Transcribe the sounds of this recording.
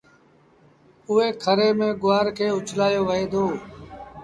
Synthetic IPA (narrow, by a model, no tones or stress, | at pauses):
ʊeːkʰəɾeːmẽːɡʊʋaːɾkʰeːʊt͡ʃʰlaːjoːʋəɦeːd̪oː